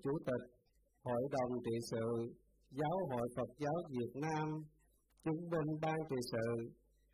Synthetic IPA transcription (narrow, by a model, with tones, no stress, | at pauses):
t͡ɕu˧˩˦t̪ï˨˩k̚ | ho̰˧˨jɗə˨˩wŋ͡mt͡ɕḭ˧˨sɨ̰˧˨ | zaː˨˦wɦo̰˧˨jfə˨˩t̚zaː˨˦wvi˨˩ət̚naː˧m | t͡ɕɨ˧˦ŋvï˧ŋ̟ɓaː˧nt͡ɕḭ˧˨sɨ̰˧˨